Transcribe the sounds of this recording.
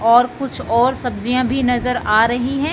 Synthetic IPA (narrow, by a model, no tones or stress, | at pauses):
ɔːɾkʊt͡ʃʰɔːɾsɐb̚d͡ʒijãbʱinɐzəɾaːɾɐɦiɦɛ̃ː